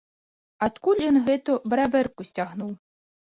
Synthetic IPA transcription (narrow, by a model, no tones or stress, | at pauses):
at̪kulʲjɔnɣɛt̪ubɾavɛrkusʲt͡sʲaɣnuw